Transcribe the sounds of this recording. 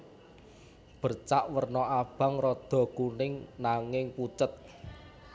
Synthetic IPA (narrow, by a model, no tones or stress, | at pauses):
b̥ərt͡ʃaʔwərnɔʔab̥ä̤ŋrɔd̪̥ɔ̤kunɪŋnaŋɪŋput͡ʃət̪̚